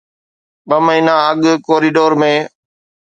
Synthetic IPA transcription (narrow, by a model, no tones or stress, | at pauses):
ɓəməɦiːnaəɠkoːɾiːɖoːɾmẽː